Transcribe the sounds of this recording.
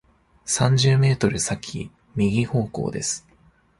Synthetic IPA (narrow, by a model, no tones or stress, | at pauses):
sãɲ̟d͡ʑɨːme̞ːt̪o̞ɾɯ̟sakʲʰḭ | mʲiɡʲiho̞ːko̞̰ːd̪e̞sɨ̥